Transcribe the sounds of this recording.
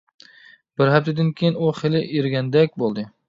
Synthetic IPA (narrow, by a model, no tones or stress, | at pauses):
b̥ɪɾhap̚t̪ʰad̪ɪnkʲʰejɪnʊχɪlɪʔeɾɡʲand̪akʲbolˠd̪ɪ